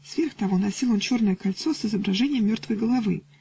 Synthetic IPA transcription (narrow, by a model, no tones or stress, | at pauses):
svʲerxt̪ɐvo̞nɐsʲilˠont͡ɕo̞rnəjəkɐlʲt̪so̞sɨzəbɾɐʐɛnʲɪjəmʲːo̞rt̪vəjɡəlˠɐvɨ̰